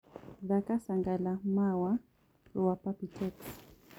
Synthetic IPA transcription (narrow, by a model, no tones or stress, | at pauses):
ðakasaŋɡalamawa | ɾuwapapitɛks